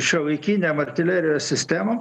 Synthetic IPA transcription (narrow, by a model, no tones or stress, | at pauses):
ʃʲɛʋɐɪkʲiːnʲɛmɐɾʲt̪ʲɪlʲæːɾʲɪjoːsʲsʲɪsʲt̪ʲæmɐ